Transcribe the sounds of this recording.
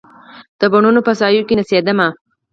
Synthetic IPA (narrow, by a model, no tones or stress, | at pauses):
d̪̥əbaɳunopəsɑjokenased̪əma